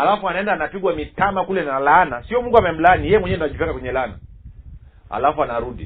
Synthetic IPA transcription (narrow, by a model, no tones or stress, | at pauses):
alafuanaɛndaːnapiɡwamitamakulɛnalanasiɔmuŋɡuamɛm̩lanijɛjɛmwɛɲɛnunaʄupɛkakwɛɲɛlana̰ | a̰lafuanaɾuɗi